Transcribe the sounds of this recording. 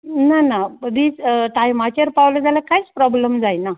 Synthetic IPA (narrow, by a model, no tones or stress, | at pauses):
nanaəbiːt͡sʈajmat͡ɕəɾpawled͡zalakajt͡spɾɔbləmd͡zajna